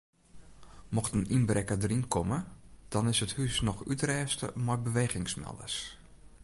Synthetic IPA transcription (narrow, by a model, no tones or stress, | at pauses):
mɔxtəninbrɛkədrinkʰɔməd̥ɔnɪsəthysnɔxytrɛːstə̰mɔjbəʋeːɣɪŋsmɛ̰lˠdə̰s